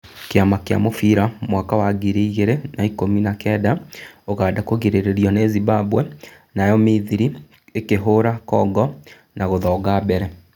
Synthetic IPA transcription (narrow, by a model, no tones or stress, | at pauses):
keamakea̰mofiɾamwakawaɡiɾiiɣeɾenaikominakɛːdaoɣaːdakoɣeɾeɾeɾjɔnezibabwɛ | najɔmiðiɾi | ekeɦoɾakɔɡɔ | nʔaɣoðɔɡabɛɾɛ